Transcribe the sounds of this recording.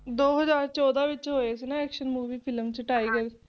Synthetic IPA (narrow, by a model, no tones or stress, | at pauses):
d̪oːɦəzaːɾt͡ʃɔːd̪aʋɪt͡ʃɦoːesenaɛːkʃənmuːʋiːpʰɪləmt͡ʃəʈaːiːɡəɾ